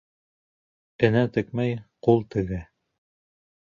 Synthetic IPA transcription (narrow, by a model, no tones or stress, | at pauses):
ɘ̆næt̪ɘ̆kmæjqulˠt̪ɘ̆ɡɘ